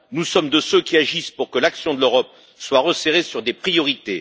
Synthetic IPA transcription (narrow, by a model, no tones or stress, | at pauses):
nusɔmd̪əsøkʲiaʒispuʁkəlaksjɔ̃d̪əløʁɔp̚ | swaʁəseʁesyʁd̪epχijɔʁit̪e